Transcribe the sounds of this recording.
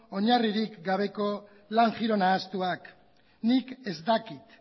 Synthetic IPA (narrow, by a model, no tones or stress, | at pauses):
o̞ɲariɾikɡaβ̞e̞ko̞ | laŋʝiɾo̞naːst̪uak | nike̞zd̪akit̪